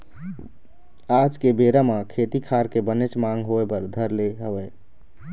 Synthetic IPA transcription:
ad͡ʒkebeɾamakʰet̪ikʰaɾkebənet͡ʃmaŋɡɦoepəɾd̪ʱəɾleɦəbɛ

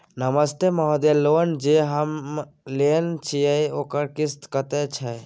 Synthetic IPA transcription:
nəməst̪emɔɦɔd̪elond͡ʒeɦəm | lent͡ʃʰijəokəɾkist̪kət̪et͡ʃʰə

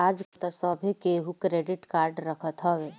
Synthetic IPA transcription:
ad͡ʒt̪asəbʱikeɦukɾeɖɪʈkaːɾɖɾəkʰət̪ɦɔʋe

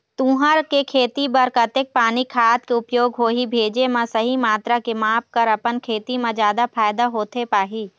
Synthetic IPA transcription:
t̪ũːɦəɾkekʰeːt̪ibɐɾkɐt̪ek̚paːnikʰaːt̪keʊpjoːɡɦoːɦibʱeːd͡ʒemãsɐɦimaːt̪ɾakemaːp̚kɐɾɐpənkʰeːt̪imãzjaːd̪afʰaːjd̪aɦoːt̪ʰepaːɦiː

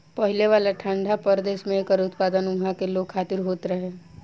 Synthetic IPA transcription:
pɐɦɪleʋaːlaʈʰə̃ɳɖʱapəɾd̪eːʃmẽekəɾʊt̪paːd̪ənʊɡʱakeloːɡ̚kʰaːt̪ɪɾɦoːt̪ɾɐɦeː

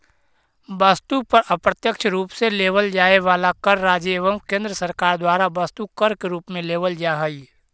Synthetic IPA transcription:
bɐst̪upɐɾəpɾət̪jəkʃʰɾuːpseleːʋəld͡ʒaːeʋaːlakɐɾːaːd͡ʒeːʋəmkẽːnd̪ɾəsɐɾkaːɾd̪waːɾabɐst̪ukɐɾkeɾuːpmẽleːʋəld͡ʒaːɦəi

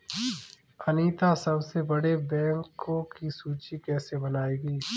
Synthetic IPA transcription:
ɐniːt̪asɐbsebɐɽebɛ̃ːŋkõkisuːt͡ʃikɛːsebɐnaːeːɡiː

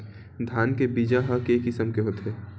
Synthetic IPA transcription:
d̪ʱjaːnkebiːd͡ʒaɦəkeːkɪsəmkeɦoːt̪ɦeː

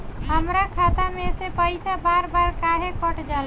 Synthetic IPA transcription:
ɦəmɾakʰat̪amesepəɪsabaɾbaɾkaɦekəʈd͡ʒal

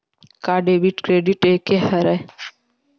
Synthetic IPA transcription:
kaːɖebiʈkɾeːɖiʈeːkeɦɐɾɛ

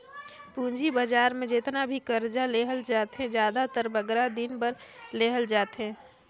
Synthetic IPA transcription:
pũːnd͡ʒibəd͡ʒaːɾmẽd͡ʒɪt̪nabʱikəɾd͡ʒaleːɦəld͡ʒaːt̪ɦẽd͡ʒjaːd̪at̪əɾbəɡɾad̪ɪnbəɾleːɦəld͡ʒaːt̪ɦẽː

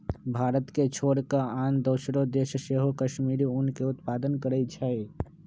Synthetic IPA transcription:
bʱaːɾət̪ket͡ʃʰoːɽkaaːnd̪oːsɾod̪eːʃəʃeːɦokəʃmiːɾiʊnkeʊt̪paːd̪ənkəɾət͡ʃʰae

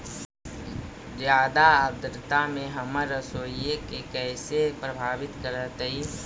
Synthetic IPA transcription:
d͡ʒjaːd̪aəd̪ɾɪt̪amẽɦəməɾəsoːiekekɛːsepɾəbʱaːʋɪt̪kəɾət̪i

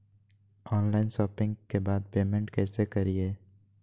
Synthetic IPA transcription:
ɔːnlaːɪnʃɔːpɪ̃ŋɡkebaːd̪peːmɛ̃ɳʈkɛːsekɐɾieː

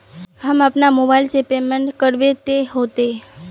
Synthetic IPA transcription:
ɦamapnamobajlsepemeɳʈkəɾʋet̪eɦot̪e

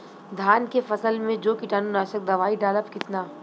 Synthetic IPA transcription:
d̪ʱaːnkefɐsəlmẽd͡ʒoːkiʈaːnunaːʃək̚d̪ɐʋaːiɖaːləpkɪt̪naː

